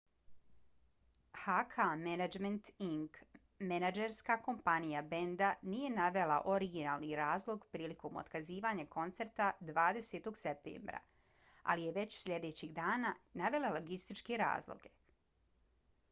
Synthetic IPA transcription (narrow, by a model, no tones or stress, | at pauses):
hakʰamenad͡ʒment̪iŋk | menad͡ʒeɾskako̞mpanijabe̞nd̪anije̞naʋe̞lˠa̰ʔo̞ɾiɡinaːlˠniɾaːzlˠo̞ɡpɾiːliko̞mo̰t̪kaziːʋaːɲako̞nt̪se̞ɾt̪ad̪ʋaːd̪e̞set̪o̞ɡsep̚t̪ḛːmbɾa̰ | a̰lije̞ʋe̞t͡ɕsʎe̞d̪e̞ːt͡ɕiɣd̪aːnanaʋe̞laloɡist̪it͡ʃkeɾa̰ːzlˠo̰ɡe̞